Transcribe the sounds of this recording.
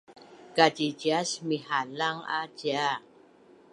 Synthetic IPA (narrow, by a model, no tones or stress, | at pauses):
kad͡ʒid͡ʒasmiɦalaŋa̰̥d͡ʒa